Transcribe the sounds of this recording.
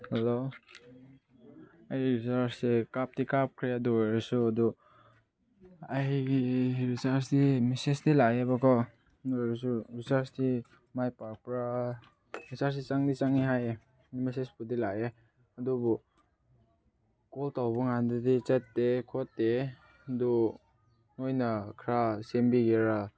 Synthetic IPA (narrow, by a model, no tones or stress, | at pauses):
helo | ajiɾisaɾsekap̚tikap̚kʰɾeaduɔjɾɔsuadu | ajɡiɾisaɾs̬dimisesdilajebaɡɔ | jɾis̬uɾisaɾsdi | majpaɾ̚pɾa | ɾisaɾs̬dit͡ʃaŋdit͡ʃaŋiɦaj | mesesbudilaje | adubɔ | kɔltawbɔŋandidit͡ʃetːekʰɔtːe | du | nojnakʰɾasembiɡeɾa